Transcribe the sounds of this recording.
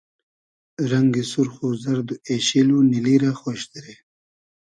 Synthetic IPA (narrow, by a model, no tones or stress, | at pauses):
ɾaŋɡisuɾxuzaɾd̪ueɕiluniliɾaxoʃd̪eɾe